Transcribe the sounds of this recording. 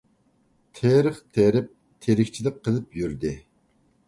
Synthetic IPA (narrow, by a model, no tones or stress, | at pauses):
t̪ʰeɾəχt̪ʰeɾɪp̚ | t̪ʰeɾɪkʲt͡ʃʰilɪp̚qʰːəlˠɨp̚jyɾd̪ɪ